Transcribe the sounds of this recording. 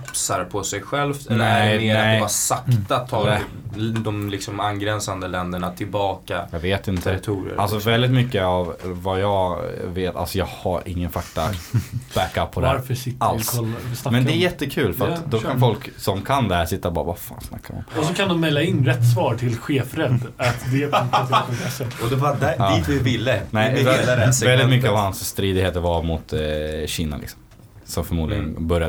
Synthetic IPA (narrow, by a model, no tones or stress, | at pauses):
psaɾpʰɔsɛjɧɛlft̪ɛlnːɛmeːɾɛaɾsakt̪at̪ʰːɑɛ | d̪ɔmlɪksɔmanɡɾɛnsand̪əlɛnd̪əɳat̪ʰɪlbɑːkajɑːɡveːt̪ɪnt̪ːəɛɾɪt̪ʰuːɾə̰ɾalsɔvɛld̪ɪt̪mʏkːəavːajɑːveːt̪a̰lsɔjɑːɡhaɾɪ̰ŋːənfakt̪a̰b̥ækapʰːɔd̪aɾfəsɪt̪ːalʰɔlmɛnd̪ɛːɾjɛt̪ːəkʰʉ̟ːlfœœɾat̪d̪ɔkʰanfɔlksɔmkʰand̪ɛhæːʂɪt̪ːabɑ̰ːɾavafa̰ːnsna̰kːaɾɔ̰mɔsɔkʰand̪ɔmmɛlːaɪnːɾɛt̪ːsvɑːɾʈʰɪlɧeːfɾɛd̪ːt̪d̪ɛpntassɔmkaaɔd̪ɛvad̪æiːt̪vɪvɪlːənɛ | vɛld̪ɪt̪mʏkːəavhansːt̪ɾiːd̪ɪɡheːt̪əɾvamʊt̪ɕiːna̰lʔɪ̰ksɔ̥mm | sɔmfœɾmuːd̪lɪ̰ɡə̰nbœɾja